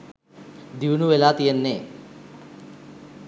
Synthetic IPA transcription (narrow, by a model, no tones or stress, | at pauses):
d̪iwunuʋelaːt̪ijenːeː